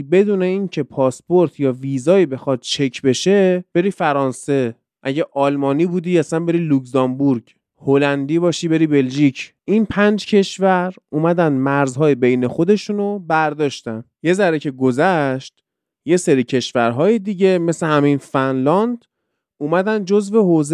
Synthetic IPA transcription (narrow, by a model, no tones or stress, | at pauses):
be̞d̪uːne̞incʰe̞pʰɒːspoɾt̪ʰjɒːviːzɒːibe̞xɒːd̪̥̚t͡ʃʰe̞cʰbe̞ʃe̞b̥e̞ɾiːfæɾɒːnse̞ | ʔæɟeʔɒːlmɒːniːbuːd̪iæsænbe̞ɾiːlukzɒmbuɾɟ | holænd̪iːβɒːʃiːbe̞ɾiːbe̞lʒiːcʰʔinpʰænd͡ʒcʰe̞ʃvæɾuːmæd̪ænd̪mæɾzɦɒːjebe̞jne̞xo̞d̪e̞ʃunobæɾd̪ɒːʃt̪ænje̞zæɾecʰe̞ɡozæʃt̪ | je̞se̞ɾiːcʰe̞ʃvæɾɦɒːjed̪iɟe̞me̞sehæminfænlɒnd̪ | uːmæd̪ænd̪d͡ʒozve̞ɦoz